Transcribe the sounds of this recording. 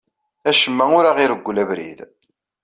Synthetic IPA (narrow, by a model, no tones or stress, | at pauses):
æʃəmːæʊɾaʁiɾəɡʷːlævɾḭð